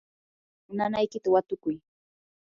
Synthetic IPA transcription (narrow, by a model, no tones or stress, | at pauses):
ʊnanajkɪt̪awat̪ʊkʊj